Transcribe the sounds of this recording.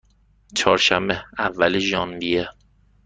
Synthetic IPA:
t͡ʃʰɒːɾʃæmbeævːæleʒɒːnbije

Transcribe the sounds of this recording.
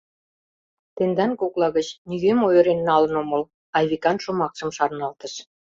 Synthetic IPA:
t̪end̪ɑnkoklɑɣət͡ɕniɣemojɾenːɑlə̆nomə̆l | ɑjβikɑnʃumɑkʃə̆mʃɑrnɑlt̪ə̆ʃ

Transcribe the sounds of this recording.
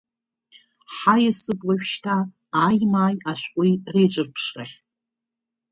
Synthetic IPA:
ħajasɨpʼlaɥᶣʃtʰaː | jmaːjaʃʷʔʷʼʊjrejʈ͡ʂʼɨrpʰʂraχʲ

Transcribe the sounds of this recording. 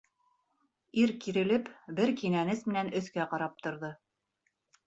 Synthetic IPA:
iɾkiɾɘ̆lɘpbɘɾkinænɘsmɘ̆nænɵ̆θkæqɑɾɑp̚t̪ŏɾðɤ

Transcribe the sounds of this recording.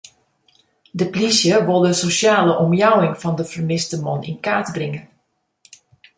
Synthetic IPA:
dəplisjəʋolˠdəsosjaːləʔɔmjawɪŋfɔndəfərmɪstəmɔnḭnkaːtbrɪŋə

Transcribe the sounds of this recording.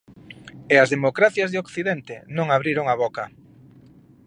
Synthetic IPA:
eazðemokɾaθjazðeokθiðɛnt̪ɪnõŋaβɾiɾoŋaβɔkɐ

